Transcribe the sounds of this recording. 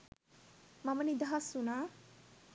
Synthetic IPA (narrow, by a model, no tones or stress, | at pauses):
mamɐnid̪aɦasuna